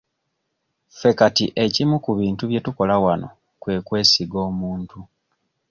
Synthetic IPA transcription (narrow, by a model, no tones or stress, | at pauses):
fe̞katiʔe̞cimukuβiːntuβje̞tuko̞lawano̰ | kwe̞ːkwe̞ːsiɡo̞ːmuːntu